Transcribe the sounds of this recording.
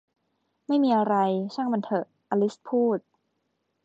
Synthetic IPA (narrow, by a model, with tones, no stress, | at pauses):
ma˥˩jmiː˧ʔa˧ɾa˧jt͡ɕʰaː˥˩ŋba˧nt̪ʰɤ˧˩ | ʔa˧li˦˥spʰuː˥˩t̪̚